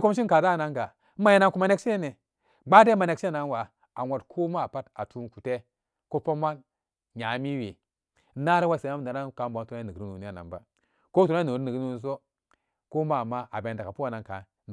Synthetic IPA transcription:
ko˦m˦ʃ̬i˦ka˨da˦˨na˦ŋɡa˨˦ | ma˨je˨na˦nku˨ma˨ne˦kʃe˦ne˨ | ɡ͡ba˦de˦ma˨ne˨kʃe˦˨na˨˦nwa˨ | a˨nʷo˨tkʰo˦ma˦˨pa˦ta˨tʰu˦nku˨te˦ | ko˦po˦ma˦n | ɲa˨˦mi˦wi˨˦ | na˦ɾi˦wa˦se˨na˦m˦˨a˨na˦ka˨mba˨˦tu˦a˦ni˨ɾi˦nu˨ni˦a˨na̰˨mba̰˦ | ko˦tu˨ɾni˨ɾni˨˦u˦n˨s̬o˦ | ko˦ma˦˨ma˦ʔa˨be˨n˨da˨ka˨pu˦a˨na˨ŋka˨ | n˨

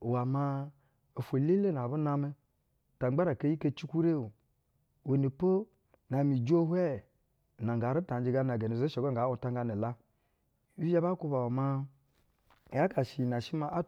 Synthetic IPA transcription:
wa˨ma˧ | o˨fo˨le˦le˦n˨a˨bu˦na˧me˦˨ | ta˨˦ɡ͡ba˦ɾa˨ke˦ji˦ke˦t͡ʃi˦kʷu˦ɾe˦˨wu˨ | we˨ne˨po˦ | na˨mi˨d͡ʒo˦hʷɛ˦˨ | na˨ŋɡa˨˦ɾi˦ta˨n˦d͡ʒi˨ɡa˦n˨a˨ɡe˨ne˨ze˦ʃo˨ɡo˦ŋ˨ɡa˨˦u˦ta˦ŋ˦ɡa˧ne˨la˦˨˦ | i˦a˦ba˦ku˦ba˨wa˨ma˦˨ | ja˦ka˨ʃi˨na˨ʃi˦ma˦ʔa˦

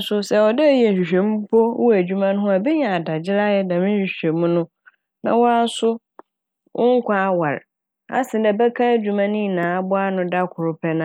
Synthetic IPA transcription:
sʊ˦sɛ˨ɔ˨dɛ˦˨ji˦ɛ˨n̩˨ɕᶣi˨ɕᶣe˨m̩˦pʰo˦wʊ˦æ˨d͡ʑᶣu˦mã˦ñ˦ɦʊ̃˦a˨bɛ˦ɲã˨a˨da˨d͡ʑɪ˦ɾa˦jɛ˦nã˨mɪ̃˦ɕᶣi˨ɕᶣẽ˨mũ˦nʊ̃˦ | nã̰˨wɔ˦a˦n˦sʊ˦ | wʔʊ̃˦ŋ̩˦kʰʷã˦wa˨ɾ | a̰˨sɪ̃˨dɛ˨bɛ˦kʰã˦d͡ʑᶣu˨mã˦nĩ˦˨nãː˨a˦bʊ˦a˦nʊ̃˦da˦kʰʊ˨ɾʊ˨pʰɛ˦nã˨˦

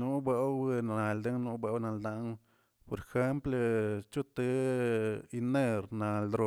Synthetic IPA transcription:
nu˦ba˧˦wna˨ld̪e˦ŋnu˧˦ba˧˦wna˧ld̪a˧ʔŋ | po˨ɾe˧xe˦mple˧t͡ʃu˦t̪ɨ˧ | i˧ne˧ɾna˨ld̪ɾo˧

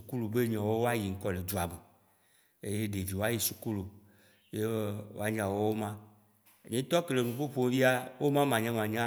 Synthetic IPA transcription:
u˨ku˦lu˨be˦ɲɔ̃˨wo˦wa˦ji˨ŋ̩˦kɔ˨le˨d͡ʒu˨a˨me˨ | e˦je˦ɖe˨vi˨wo˦a˦ji˨su˨ku˦lu˨ | je˦wo̰˦a˦ɲã˨wo˦wo˦mã˦˨ | ɲẽ˨˦t̪ɔ˦ke˨le˨mũ˨ɸo˦ɸo˦vi˦a˦wo˦mã˦mã˨ɲã˦m˨ã˨ɲã˦

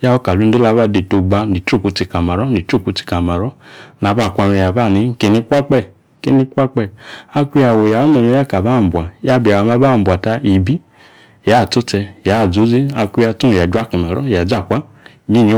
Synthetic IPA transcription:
ja˦wo˦ka˨lu˨˦n̩˦de˦la˧˨˦ba˦˨de˨to˧ɡ͡ba˧ni˨to˦˨ku˨˧ti˧ka˨ma˨ɾɔ˦ni˨t͡ʃo˦˨ku˧ti̥˧ka˨ma˨ɾɔ˦n˨a˨˦ba˦˨kʷa˧mɛ˧ja˨ba˦˨ni˨˦ke˨ni˧kʷa˦k͡pɛ˦˨ | ke˨˦ni˧˦kʷa˦k͡pɛ˧˨a˧kʷu˧ja˧˨wo˨ja˨ɔ˦mɛ˨˧mɛ˧˦ja˦˨ka˨ba˦˨m̩˨bʷa˨ja˦bi˨a˨a˨ma˦ba˦˨bʷa˨ta˧i˨bi˦ | ja˨˦˨to˦t͡sɛ˧ja˨˦˨d͡zo˨˦zi˦a˧kʷu˧˦a˧tu˦˨ja˨d͡ʒwa˦ku˨na˨ɾɔ̰˦ja˨d͡za˦˨kʷa˦ | ɲi˦˨ni˨˦

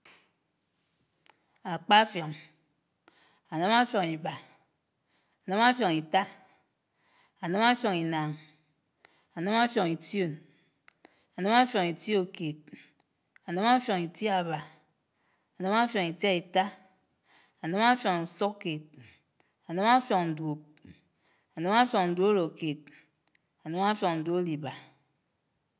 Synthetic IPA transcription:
a˨k͡pa˦fjo˨ŋ | a˨nɨ˦ma˦fjo˨ŋi˨ba˨ | a˨nɨ˦ma˦fjo˨ŋi˨ta˦ | a˨nɨ˦ma˦fjo˨ŋi˨na˨ŋ | a˨nɨ˦ma˦fjo˨ŋi˨ti˦o˦˨n | a˨nɨ˦ma˦fjo˨ŋi˨ti˦o˨ke˨t̚ | a˨nɨ˦ma˦fjo˨ŋi˨ti˦a˨ba˨ | a˨nɨ˦ma˦fjɔ˨ŋi˨tja˦i˨ta˦ | a˨nɨ˦ma˦fjɔ˨ŋu˨so˦kke˨t̚ | a˨nɨ˦ma˦fjɔ˨ŋn̩˨dwo˨p̚ | a˨nɨ˦ma˦fjɔ˨ŋn̩˨du˦lo˨ke˨t̚ | a˨nɨ˦ma˦fjɔ˨ŋn̩˨do˦li˨ba˨

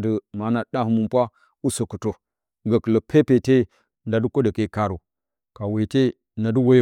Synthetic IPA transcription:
də˨ma˨˦na˨da˦hu˦mu˨mpʷa˦ | u˦so˨ku˨to˨ | ɡa˨kə˨lo˨pʰe˦pe˨te˦˨ | nda˨du˦ko˦da˨ke˦˨ka˨ɾo˨ | ka˨we˨te˦ | na˨du˦wo˦j

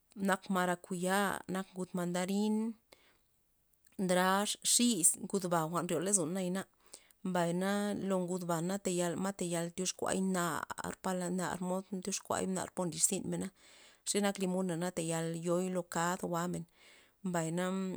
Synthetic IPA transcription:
na˧kma˧ɾa˧ku˨ja˦na˧kɡu˧t̪ma˧nd̪a˧ɾi˦n | d̪ɾa˦ʂʂi˦sɡu˧d̪ba˨xʷa˨nɾjo˨le˦z̬u˨nːa˦jna˧ | mba˨jna˦lo˧ŋɡu˧d̪ba˨na˦t̪e˨ja˧lma˦t̪e˨ja˧lt̪jo˧˦ʂkʷa̰˧˦jna̰˨ɾpa˧la˧na̰˨ɾmo˦d̪t̪jo˦ʂkʷa̰˧˦jna̰˧˨ɾpo˧ndi˧˨ʂsi˦˧nme˨na˦ʂi˦na˦kli˧mu˦na˨na˦t̪e˨ja˧ljo˧˦jlo˧ka˦d̪wa˧me˨n | mba˨jna˦

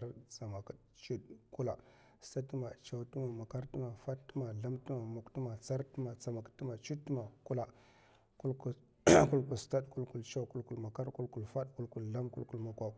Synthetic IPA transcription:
ɾt͡sa˨ma˨ka˨ | t͡ʃu˦dku˦la˨ | sta˦tu˦ma˨t͡ʃa˨wtu˦ma˨ma˨ka˦ɾtu˦ma˨fa˦tə˦ma˨ɮa˦mtu˦ma˨mu˨ktu˦ma˨t͡sa˦ɾtu˦ma˨t͡sa˨ma˨ktu˦ma˨t͡ʃu˦tːma˨ku˦la˨ | ku˦lku˨ | ku˦lku˨lsta˦ɗku˦lku˨lt͡ʃa˦ku˦lku˨lma˨ka˦ɾku˦lku˨lfa˦ɗku˦lku˨lla˦mku˦lku˦˨lma˨kʷa˨

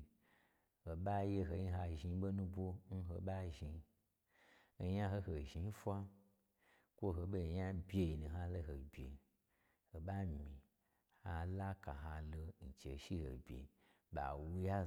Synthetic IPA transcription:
ho˨ɓa˦je˧ɦo˧ji˦ɦa˧ʒi˧˦ɓo˦nũ˦bʷo˦n̩˦ɦo˧ɓa˦ʒi˧ | ja˦ɦo˧ho˨ʒi˧n˦fʷa˦ | kʷo˦ɦo˧ɓo˧˨ɲa˦bʲje˧i˨nũ˨ɦa˧lo˧ɦo˨bʲjḛ˨ | ho˨ɓa˦mĩ˨ | ha˧la˦ka˨ɦa˧lo˧n̩˨t͡ʃḛ˨ʃi˦ho̰˨bʲḛ˨ | ɓa̰˨wu˧ja˦

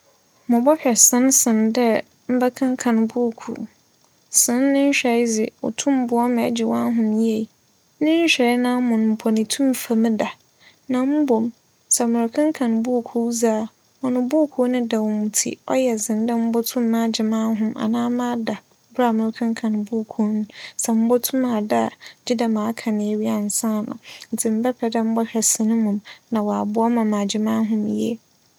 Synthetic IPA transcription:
mʊ̃˨bɔ˦ɕᶣɛ˨sɪ̃˨˦nsɪ̃˨ndɛ˦ | m̩˦bɛ˦kʰã˦ŋ˦kʰã˨n˨bʊ˦˨kʰṵ˨ | sɪ̃˦nːɪ̃˦ɕᶣɛ˨˦d͡zɪ˨ʊ̰˨tʰʊ̃˦m˦bʊ˨ɔ˦m̃˨ɛ˨˦d͡ʑɪ˨wã˦ɦʊ̃˨mje˨ | nɪ̃˦ɲ̩˦ɕᶣɛ˨˦nã˦mʊ̃˨n˨m̩˨pʰɔ˨nɪ̃˨tʰũ˦m˨fa˨mɪ̃˦da˨ | nã˨m̩˦bo˨m | sɛ˨mʊɪ̃˨ɾkʰã˦ŋ˦kʰã˨nbʊ˦o˨kʰu˨˦zaː˦˨ | ɔ˨nʊ̃˨˦bʊ˦˨kʰo˦nʊ̃˦da˨wɔ˨mũ˨tʰḭ˦˨ɔ̰˦jɛ˨zɪ̃˨n˦dã˦m̩˦bɔ˦tʰʊ̃˦mː˦ã˦d͡ʑɪ˨mã˦ɦʊ̃˦ma̰˨nãː˦mã˦da˨ | ba˨mʊ̃˨ɾkʰã˦ŋkʰã˨n˨bu˦˨kʰu˦nʊ̃˦sɛ˨m̩˦bɔ˦tʰũ˦mã˨da˦˨d͡ʑɪ˦da˨mãː˨˦kʰã˨nɪ̃˨ɛ˦ɥi˦a˨n̩˨sã˦˨nʊ̰̃˨n̩˨tʰɪ˨m̩˦bɛ˦pʰɛ˨dã˦m̩˦bɔ˦hɛ˨sɪ˨nʊ̃˦mʊ̃˨mnã˨wa˨bʊ˦ɔ˦mã˨mã˨d͡ʑɪ˨mã˦ɦʊ̃˦m˨jɛ̰˦

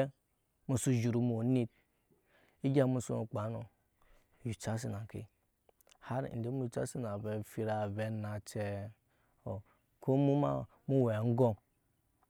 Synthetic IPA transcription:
mu˨su˦d͡ʒu˨ɾu˨m˨o˨ni˦t̚ | i˦ɡʲa˦mu˦sṵ˦u˨k͡pa˨˦no˨ | ju˨t͡ʃa˦s̬i˦na˨kḭ˨ | ha˦ɾ̰n̩˨de˦mu˦ju˨t͡ʃa̰˦si˦na˨ve˨fi˨ɾa˨ve˦na˨t͡ʃe˦ | o˨ | kʰo˦mu˦ma̰˦ | mu˦we˨ŋ̩˦ɡo˦

